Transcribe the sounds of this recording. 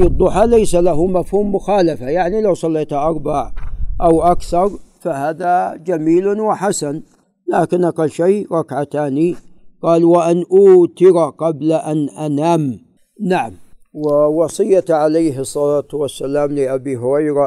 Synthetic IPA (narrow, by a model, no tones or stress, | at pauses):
d̪ˤːʊħalajsalaɦumafhuːmːʊxaːlafajaʕnilawsˤɑlːeːt̪aʔɑɾˤbaʕʔawʔakθɑɾˤfahaːðad͡ʒamiːlwɪħasan | laːkɪnʔaqalːʃajɾˤɑkʕat̪aːniqɑːlwaʔanʔuːt̪ɪɾaqɑblaʔanʔanaːm | naʕamwɪwɑsˤɨjːat̪ʕalajɦɨsˤːɑlaːt̪wasːalaːmlɪʔabiɦʊɾɑjɾa